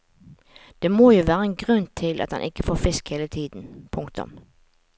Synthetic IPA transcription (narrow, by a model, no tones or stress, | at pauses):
d̪̥eːmoːjuːʋæːʁəɛnɡʁʉnt̪ʰɪlʔɑ̰t̪dɑ̰nʔɪkːəfoːfɪskheːlət̪ʰiːd̪n̩pʰʊŋkt̪ʊ̰m